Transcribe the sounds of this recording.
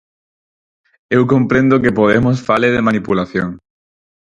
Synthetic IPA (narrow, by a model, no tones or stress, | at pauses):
ewkõmpɾẽnd̪ʊkepoðemosfaleðemanipulaθjo̰ŋ